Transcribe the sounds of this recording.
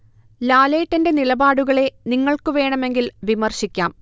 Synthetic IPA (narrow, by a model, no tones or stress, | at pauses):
laːleːʈːɐnde̞nilɐbaːɽuɣɐɭe̞niŋːɐɭkɨʋe̞ːɳɐme̞ŋɡilʋimɐrɕikʲːa̰ːm